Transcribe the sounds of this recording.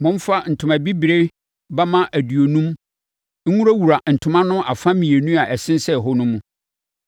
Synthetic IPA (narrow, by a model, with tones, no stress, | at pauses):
mʊ̃˦m˦fa˦n̩˨tʰʊ̃˨mã˨bi˦bi˨ɾe˦ | ba˦mã˦ʔæ˨dɥo˨nũ˦m | ŋ̩˦ŋũ˦ɾa˦wu˨ɾa˨n̩˨tʰʊ̃˨˦mã˦nʊ̃˦ʔa˨fã˦mĩ˨e˨nũ˦a˨ʔɛ˨sɪ̃˦n˦sɛ˦˨ɦɔ˦nʊ̃˦mũ˦